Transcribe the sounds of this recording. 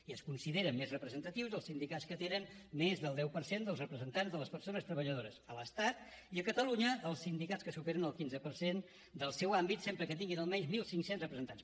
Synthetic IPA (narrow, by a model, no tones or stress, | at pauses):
iəskunsiðeɾəmmezrəpɾəzənt̪ət̪iwzðəlˠsind̪ikatskət̪enənmezðəlˠd̪ɛwpəɾsend̪əlˠzrəpɾəzənt̪anzðələspəɾsonəst̪ɾəβəʎəð̞oɾəsələst̪at̪̚ | iəkət̪əluɲəːlˠsind̪ikatskəsupeɾənəlˠkinzəpəɾsen | d̪əlˠsɛwambit̪sempɾəkət̪iŋɡinəlˠmɛɲzmilˠsiŋksenzrəpɾəzənt̪ans